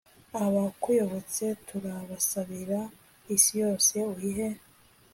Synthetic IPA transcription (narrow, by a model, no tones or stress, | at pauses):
aβakujo̞βo̞t͡se̞tʰuɾaβasaβiɾa | isijo̞ːse̞uhiɦe̞